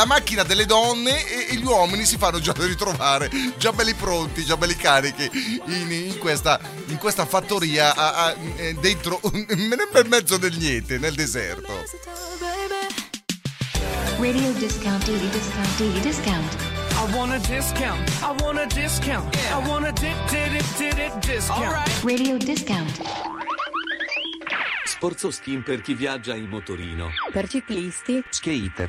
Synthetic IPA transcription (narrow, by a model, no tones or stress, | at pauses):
amak̟ːinad̪elːed̪ɔnːeeʎwɔːminisifanːod͡ʒad̪irːit̪ɾovaːɾed͡ʒabɛlːipɾont̪id͡ʒabɛlːikaːɾik̟iiniŋkwest̪a | iŋkwest̪afat̪ːoɾiːaʔaad̪ent̪ɾomːenɛbɛmːɛd̪zːod̪elnjɛnt̪eneld̪ezɛ̰rt̪o̰ | ɹeɾioʊdɪskãʊ̃ntdeɾidɪskãʊ̃ntd̥iidɪskãʊ̃ntaɪwɑ̃nədɪskãʊ̃ntaɪwɑ̃nədɪskãʊ̃ntaɪwɑ̃nədɪd̥ɪɾɪd̥ɪɾɪt̚dɪsãaɪtɹeɾioʊdɪskãʊ̃nt | spɔrt̪soskimperkivjad͡ʒːailmːot̪oɾḭːno̰pɛɾtik̪iist̪isket̪